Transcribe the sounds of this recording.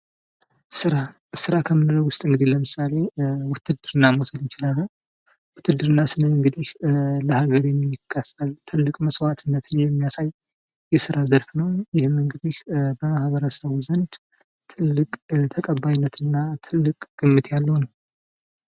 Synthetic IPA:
sɨɾasɨɾakʰəmːɨnɨɾəwʊst̪ʼɨŋɡɨd̪iləmɨsale̞wʊt̪ʰːɨd̪ɨɾɨnːamosəljɪt͡ʃɪlalːə | wʊt̪ʰːɨd̪ɨɾɨnːasɨnəɨŋɡɨd̪iʃləhaɡəɾjɛmːɪkʰːəfəlt̪ʰɨlːɨkʼməswat̪ʰɨnːət̪ɨnjɛmːijasaj | jɛsɨɾazəɾfnəwjɪhmɨŋɡɨd̪iʃbəmahβəɾəsəβuzənd̪ | t̪ʰɨlːɨkʼt̪ʰəkʼəβajnːət̪ʰɨnːat̪ʰɨlːɨkʼɡ̥ɨmːɨt̪ʰjalːəwnəw

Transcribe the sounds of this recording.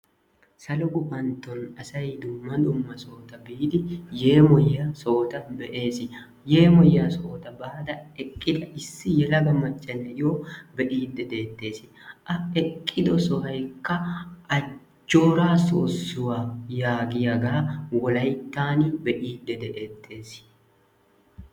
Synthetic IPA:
sɐlɔɡʊbɐnt̪ːɔnɐsɐjd̪ʊmːɐd̪ʊmːɐso̞ːt̪ɐbiːd̪ɪje̞ːmɔjːaːsoːt̪ɐbɛʔe̞ːsɪ | je̞ːmɔjːaːsoːt̪ɐbaːd̪ɐɛkʼːɪd̪ɐɪsːɪjɛlɐɡɐmːɐt͡ʃʼːɐnːɛjoːbɛʔiːd̪ːɛd̪e̞ːt̪ːe̞ːsɪ̥ | ʔɐɛkʼːɪd̪ɔsɔhɐjkːɐɐ | d͡ʒːo̞ːɾaːso̰ːsːʊwaːjaːɡɪjɐɡawɔlɐjt̪ːaːnibɛʔiːd̪ːɛd̪ɛʔeːt̪ʰːe̞ːs

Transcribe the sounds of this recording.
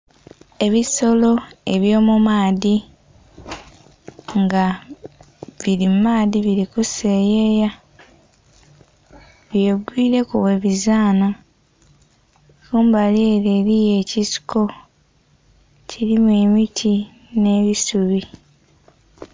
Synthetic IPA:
e̞βiso̞lo̞e̞βjo̞ːmumaːði | ŋɡa | βiɾimmaːðiβiɾikuse̞ːjeːja | βjeɡwiːɾe̞kuβwe̞ːβizaːna | kuːmbaljeːɾeːɾije̞ːcisi̥ko̞ | cʰiɾimwe̞ːmitʰi | ne̞ːβisuβi

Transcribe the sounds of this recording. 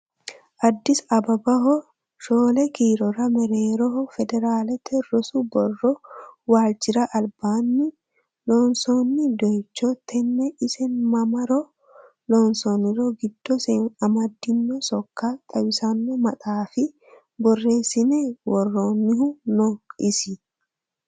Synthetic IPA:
ʔɐd̪ːɪsɐbɐbɐɦɔ | ʃoːlɛkiːɾɔɾɐmɛɾeːɾɔɦɔfɛd̪ɛɾaːlɛt̪ʰɛrːɔsʊbɔrːɔwaːld͡ʒɪɾɐʔɐlbaːnːɪ | lɔːnsonːɪd̪ɔjt͡ʃːɔt̪ʰːɛnːɛʔɪsɛnmɐmɐɾɔ | lɔnsɔnːɪɾɔɡɪd̪̥ːɔsɛɐmɐd̪ːɪnːɔsɔkːɐt̪ʼɐwɪsɐnːɔmɐt̪ʼaːfɪ | bɔrːeːsɪnɛwɔrːoːnːɪhʊnɔkʼɪsɪ

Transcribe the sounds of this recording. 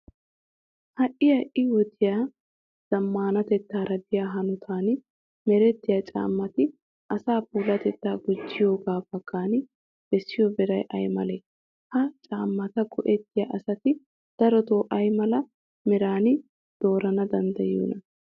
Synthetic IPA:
hɐʔɪjɐʔɪwɔt̪ɪjaː | z̥ɐmːaːnɐt̪ɛt̪ːaːɾɐd̪ɪjaːɦɐnʊt̪ʰaːn | mɛɾɛt̪ːɪjaːt͡ʃʼa̰ːmːɐt̪ɪ | ʔɐsaːpuːlɐt̪ɛt̪ːaːɡʊd͡ʒːɪjo̞ːɡaːfɐkːaːnɪ | b̥ɛsːɪjɔbɛɾɐjʔɐ̰jmɐlɛ | hɐt͡ʃʼaːmːɐt̪ɐɡɔʔɛt̪ːɪjaːʔɐsɐt̪ɪ | d̪̥ɐɾɔt̪oːʔɐjmɐlɐ | mɛɾaːnɪ | d̪̥o̞ːɾɐnɐd̪ɐnd̪ɐjṵːnɐ

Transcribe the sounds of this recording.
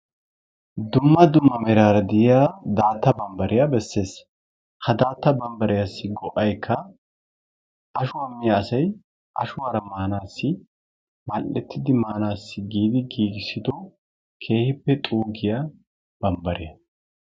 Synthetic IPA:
d̪ʊmːɐd̪ʊmːɐmɛɾaːɾɐd̪ɪjjaːd̪aːt̪ːɐbɐmbɐɾɪjabɛsːe̞ːs | hɐd̪aːt̪ːɐbɐmbɐɾɪjasːɪɡɔʔɐjkʰːɐ | ʔɐʃʊwɐmːɪjaɐsɐj | ʔɐ̰ʃʊwaːɾɐmaːnaːsːɪ | mɐlːɛt̪ʰːɪd̪ɪmaːnaːsːɪɡiːd̪ɪɡiːɡɪsɪd̪ɔ | kʰe̞ːhɪpːɛt̪ʼuːɡɪja | b̥ɐmbɐɾɪjɐ

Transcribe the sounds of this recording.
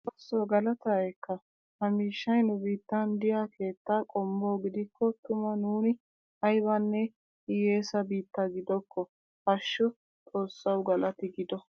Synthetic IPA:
bɐsːoɡɐlɐt̪ɐːjɛkːɐ | hɐmiːʃːɐjnʊbiːt̪ːɐnd̪ɪjaːkʰe̞ːt̪ːaːkʼɔmboːɡɪd̪ɪkːɔt̪ʊmɐnuːnɪ | ɐjbɐnːɛ | ɪje̞ːsɐbiːt̪ːɐɡɪd̪ɔkːɔ | hɐʃːɔ | t̪ʼo̞ːsːɐwɡɐlɐt̪ɪɡɪd̪ɔ

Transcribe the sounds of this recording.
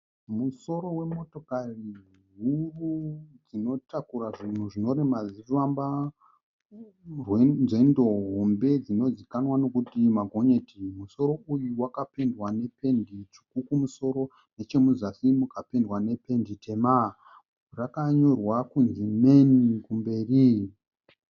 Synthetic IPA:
muso̞ɾo̞we̞mo̞to̞kari | ɦurud͡zino̞tʰakuɾaʐin̤uʐino̞ɾemad͡ziramba | rwenze̞ndo̞ɦo̞mbe̞d͡zino̞zikanwano̞kutimaɡʱo̞ɲe̞timuso̞ɾo̞ʔujuwakape̞ndwane̞pe̞ndit͡ʃi̥kukumuso̞ɾo̞ | ne̞t͡ʃe̞muzasimukape̞ndwane̞pe̞ndite̞ma | rakaɲo̞rwakunzime̞nikumbe̞ːri

